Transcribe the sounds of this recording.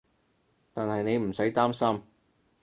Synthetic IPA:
t̪aː˨nhɐ˨jne˨˧jm̩˨˩sɐ˨˥jt̪aː˥msɐ˥m

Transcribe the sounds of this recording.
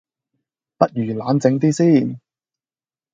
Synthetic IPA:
pɐ˥t̚jyː˨˩laː˨˥nt͡sɪ˨˥ŋt̪̬iː˥siː˥˩n

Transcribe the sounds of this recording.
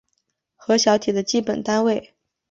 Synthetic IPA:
xɤ˧˥ɕjɑ˧˥ʊt̪ʰi˨˩d̪ə˦t͡ɕi˥˩pə˨˩nt̪a˥nwe˥˩ɪ

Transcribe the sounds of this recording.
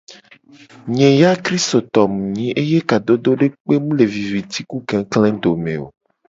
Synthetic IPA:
ɲẽ˨ja˦kɾi˦st̪o˨t̪ɔ˨mũ˨ɲĩ˨˦ʔe˦je˦ka˨d̪o˦d̪o˦ɖe˦k͡pe˦mũ˦le˨vi˨vi˨t̪i˦ku˦ɡɛ̃˨klɛ̃˦d̪o˨mḛ̃˨o̰˨

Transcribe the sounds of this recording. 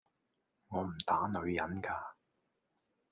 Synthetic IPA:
ŋɔː˨˧m̩˨˩t̪aː˨˥nɵ˨˧ɥjɐ˨˥nkaː˧

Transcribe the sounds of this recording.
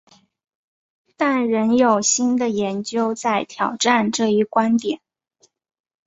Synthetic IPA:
t̪a˥˩nɻə˧˥njo˨˩ʊɕi˥nd̪ə˨jɛ˧˥nt͡ɕjo˥ʊt͡sa˥˩ɪt̪ʰjɑ˨˩ʊʈ͡ʂa˥˧nʈ͡ʂɤ˥˧i˥˩kwa˥nt̪jɛ˨˩˦n

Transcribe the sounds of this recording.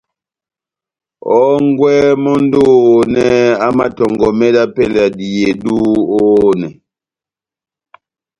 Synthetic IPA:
ɔ˦ŋɡwɛ˦mɔ˦n˦do˦˨˦nɛ˦a˦ma˨tɔ˨ŋɡɔ˨mɛ˦da˦pɛ˦˨la˨di˨je˨du˦oː˦nɛ˨

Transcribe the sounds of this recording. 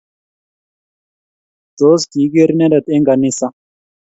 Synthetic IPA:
d̪oː˦skiː˨ɡe˦ɾne˦ɾɐ˨t̪e˦ŋɡa˨ni˦sa˦

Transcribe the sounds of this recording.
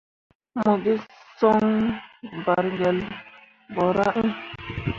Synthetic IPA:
mo˨ɡi˦sɔ˦ŋ | ba˨ɾŋɡɛ˨l | bɔ˨ɾa̰˦ʔĩ˦

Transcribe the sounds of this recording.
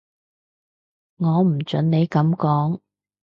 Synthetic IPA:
ŋɔː˨˧m̩˨˩t͡ʃɵ˨˥nne˨˧jkɐ˨˧˥mkɔː˨˥ŋ

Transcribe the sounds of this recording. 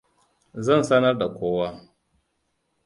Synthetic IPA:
zɐ˦˨nsɐ˦nɐ˦rda˨kʷoː˦waː˦

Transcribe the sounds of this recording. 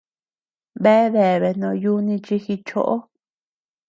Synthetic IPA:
βe˦e˦βe˨βe˨nõ˧ju˦nĩ˧t͡ʃi˧xi˧t͡ʃo̰˦ʔo˦

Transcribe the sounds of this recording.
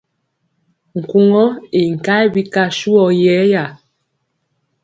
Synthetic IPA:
ŋ̩˨ku˦˨ŋɔ˦e˨ŋ̩˨ka˦jbi˦ka˦ʃu˦ɔ˨jɛ˨˦ja˨

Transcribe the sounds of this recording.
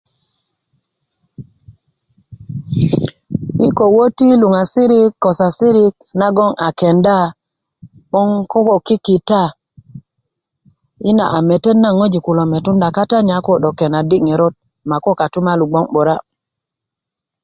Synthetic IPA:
i˦ko˨wo˦ti˦lu˨ŋa˨si˦ɾi˦kːo˨sa˨si˦ɾi˦k̚ | na˦ɡo˦ŋʔa˨ke˨nda˦˨ | ɓo˦ŋko˦ko˨ki˦ki˨ta˦˨ | i˦na̰˨ʔa˨me˨te˦nːa˦ŋo˦d͡ʒi˨ku˨lo˨me˨tu˦nda˨ka˦ta˦ɲa˨˦ko˦ɗo˨ke˨na˨di˦kŋe˨ɾo˦t̚ | ma˨ko˦ka˨tu˦ma˦lu˨ɡ͡bo˦ŋɓo˨ɾa˦

